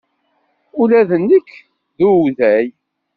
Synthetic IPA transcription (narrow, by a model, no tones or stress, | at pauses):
ulæðənːikː | ðuðæj